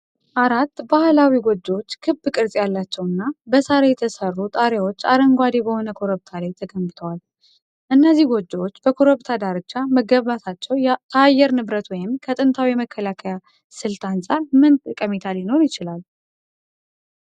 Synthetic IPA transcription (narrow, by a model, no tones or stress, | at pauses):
ʔaɾat̪ːbahlawiɡod͡ʒːot͡ʃːkʰɨbkʼɨɾzʼjalːat͡ʃːɛwɨnːabəsaɾejɛt̪ʰəsərːut̪ʼaɾewo̞t͡ʃːaɾəŋɡʷad̪ebəho̞nəkʰo̞ɾəβt̪ʰalajt̪ʰəɡəmbɨt̪ʰəwal | ʔɨnːəzːihɡod͡ʒːawot͡ʃːbəkʰo̞ɾoβt̪ʰad̪aɾɨt͡ʃːaməɡːəββat̪ʰat͡ʃːɛwt̪ʰːəajːɛɾnɨβɾət̪wɔjɪmkʰət̪ʼɨnt̪ʰawijɛməkʰːəlakʰəja | sɨlt̪ʰansʼaɾmɨnt̪ʼɨkʼəmit̪ʰaljɪno̞ɾjɪt͡ʃɪlal